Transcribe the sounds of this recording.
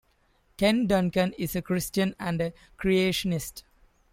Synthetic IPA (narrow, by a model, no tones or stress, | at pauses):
kẽnɖʌ̃nkə̃nɪzəkɾɪsʈjə̃næ̃ɳɖə | kɾieːʃənɪsʈ